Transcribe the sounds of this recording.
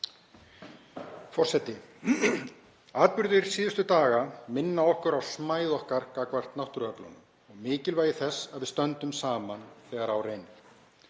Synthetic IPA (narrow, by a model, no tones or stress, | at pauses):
fɔr̥sɛt̪ːɪ | aːt̪̚pʏɾðɪɾ̥siːðʏst̪ʏt̪aːɣamɪnːaɔhkʏɾawsmaːjðɔhkaɾkakvar̥t̪nawht̪ʏɾœplɔ̰nʏ | ɔɣmɪːcɪlvaːjɪθɛsːaðvɪðst̪œnt̪ʏmsaːmanθɛːɣaɾawreːjnɪ̥